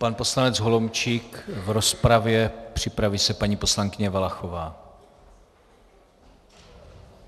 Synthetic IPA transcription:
panpo̞slanɛd͡zɦo̞lomt͡ʃiːkvɾo̞spɾavjɛpr̝̥ɪpɾaviːsɛpaɲiːpo̞slaŋkɪɲɛvalaxovaː

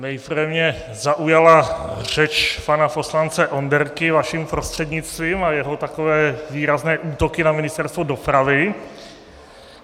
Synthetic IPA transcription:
nɛjfɾɛvɲɛ | zaʔujalar̝ɛt͡ʃpanafo̞slant͡sɛʔo̞ndɛɾkɪvaʃimpɾost̪r̥ɛdɲɪt͡st̪viːmajɛɦo̞t̪akovɛːviːɾaznɛːʔuːt̪o̞kɪnamɪnɪst̪ɛɾst̪vodo̞pɾavɪ

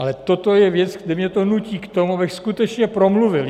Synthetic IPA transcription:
ʔalɛt̪ot̪ojɛvjɛt͡sɡdɪmɲɛt̪o̞nuciːkt̪omuabɪxskut̪ɛt͡ʃɲɛpɾo̞mluvɪl

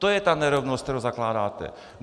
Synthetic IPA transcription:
t̪ojɛt̪aːnɛɾɔʊnɔst̪t̪ɛɾozaklaːd̪aːt̪ɛ̰

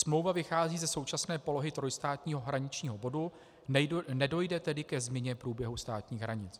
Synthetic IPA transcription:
smlo̞wvavɪxaːziːzɛso̞wt͡ʃasnɛːpo̞lo̞ɦɪt̪ɾo̞jst̪aːt̪ɲiːɦo̞ɦɾaɲɪt͡ʃɲiːɦo̞bo̞du | nɛdo̞jdɛt̪ɛdɪkɛzmɲɛɲɛpɾuːbjɛɦust̪aːt̪ɲiːɣɦɾaɲɪt͡s

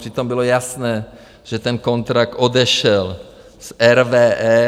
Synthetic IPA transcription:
r̥ɪt̪o̞mbɪlo̞jasnɛː | ʒ̥ɛt̪ɛnko̞nt̪ɾak̚t̪ʔo̞dɛʃɛl | sʔɛɾvɛːʔɛ

